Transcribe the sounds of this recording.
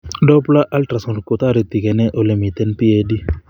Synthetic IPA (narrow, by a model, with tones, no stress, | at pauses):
dɔ˦pla˦ʔa˦lʈɾa˨sɔ˨ɾko˨t̪a˦ɾi˨t̪i˨kɛ˨nɛ˦ʔo˨lemi˨t̪ɛ˦npi˦e˦di˦